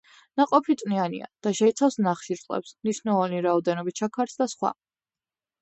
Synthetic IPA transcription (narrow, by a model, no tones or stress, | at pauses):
naqʼɔpʰit̪sʼnianḭa̰d̪̥aʃɛit̪sʰafsnaχʃiɾtsʼɛ̰psmniʃnɛlˠɔniɾaɔd̪ɛnɔbit͡ʃʰakʰaɾsd̪asχwa̰